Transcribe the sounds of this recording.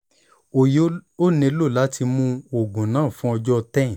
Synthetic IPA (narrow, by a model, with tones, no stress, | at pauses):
o˨jo˦nĩ˧˦lo˦˨la˦ti˧mũ˧o˨ɡũ˨nãː˨˦˨fũ˦ɔ˧d͡ʒɔ˦˧tɛ̃˦˨